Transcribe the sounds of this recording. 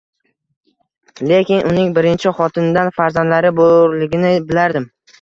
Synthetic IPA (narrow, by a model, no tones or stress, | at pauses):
le̞kʲɪnʔʊnɪŋbɪɾɪnt͡ʃʰɪχɒt̪ʰɪnɪd̪anfaɾzand̪laɾɪboɾlɪɡʲɪnɪbɪlaɾd̪ɪm